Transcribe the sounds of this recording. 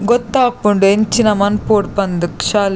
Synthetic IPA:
ɡɔt̪ːaːpːuɳɖent͡ʃinɐmɐnpoːʈpɐnd̪ɯkʃaːl

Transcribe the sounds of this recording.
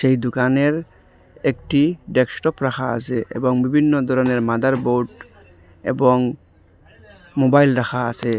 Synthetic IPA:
sejd̪ukaneɾ | ek̚ʈiɖeksʈɔpɾaxʰaa̰seḛbɔŋbibʱinːɔd̪ʱɔɾɔneɾmad̪aɾboʈ | ḛbɔŋ | mobajlɾaxʰaa̰se

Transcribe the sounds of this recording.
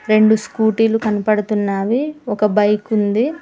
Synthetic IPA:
ɾe̞ɳɖuskuːʈiːlukɐnɐpɐɽɐt̪unːaːʋiɔkɐbɐjkund̪i

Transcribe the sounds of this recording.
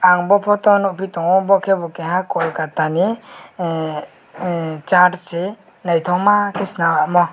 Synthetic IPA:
aŋbɔpʰɔt̪ɔnɔʔpʰit̪ɔŋɔbɔkʰɛbɔkɛɦakɔlkat̪ani | t͡ʃaɾsɛ | najt̪ʰɔmakʰɛsnawaʔmɔ

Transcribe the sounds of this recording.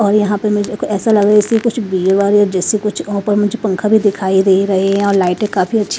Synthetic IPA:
ɔːɾjɐɦãpəɾmʊd͡ʒeɛːsalɐɡaɪskʊt͡ʃʰbiːɾʋaːɾiɔːɾd͡ʒɛːsikʊt͡ʃʰɔ̃ːpəɾmʊd͡ʒʱepə̃ŋkʰabʱid̪ɪkʰaːiɾeɦiɾɐɦeɦɛ̃ɔːɾlaːɪʈẽkaːfiɐtːʃʰi

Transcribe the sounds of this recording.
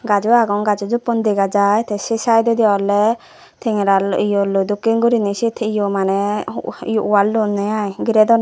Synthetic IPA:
ɡad͡ʒuaɡɔŋɡad͡ʒud͡ʒupɔnd̪ɛɡad͡ʒajt̪ɛsisajd̪ɔd̪iaɾlɛ | t̪ʰiŋɾalʔijɔlɔd̪ukiŋɡuɾinisit̪ʰijɔmanɛijuʔwaldunːɛjajɡiɾɛd̪ɔna

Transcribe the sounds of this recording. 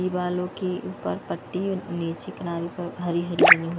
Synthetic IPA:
ibaːlõkeuːpəɾpɐʈːineːt͡ʃikɐnaːɾipɐɾɦɐɾiɦɐɾibɐniɦu

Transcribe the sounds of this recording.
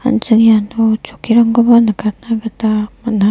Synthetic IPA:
ɐ̰nt͡ʃɐnijanot͡ʃokiɾɐŋɡobanɐkat̪naɡɐt̪amɐna

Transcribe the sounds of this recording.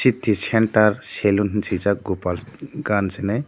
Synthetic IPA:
sit̪ːisɛɳʈaɾselunnsizak̚ɡupalɡansɛnaj

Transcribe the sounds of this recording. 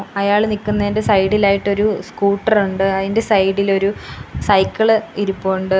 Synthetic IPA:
ɐjaːɭnikːunːɐðindesɐjɽilaːjiʈːo̞ɾuskuːʈːɐruɳɖɨɐðinde̞sɐjɽilo̞ɾusɐjkːɐɭiɾupːoːɳɖɨ

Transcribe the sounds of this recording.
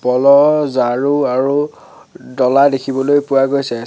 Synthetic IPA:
pɔlɔzaɹuaɹu | dɔladekʰibɔlojpʊwaɡojsɛ

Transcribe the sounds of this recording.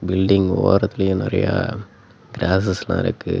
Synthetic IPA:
bɪlɖɪŋɡoːɾɐt̪ːɪlɐjʊ̃nɪɾɐ̰ja̰ | ɡɾaːsɛslã̰ːɪ̰ɾɯkːɯ

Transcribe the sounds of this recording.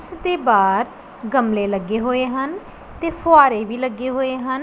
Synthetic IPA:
sd̪eːbaːd̪ | ɡəmleːləɡːeːɦoːeːɦən | t̪eːpʰʊaːɾeːʋiːləɡːeːɦoːeːɦən

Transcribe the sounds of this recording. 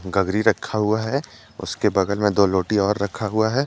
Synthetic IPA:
ɡɐɡɾiɾɐkʰːaɦuaɦɛ | ʊ̰skebɐɡəlmẽd̪oːloːʈiɔːɾːɐkʰaɦuaɦɛː

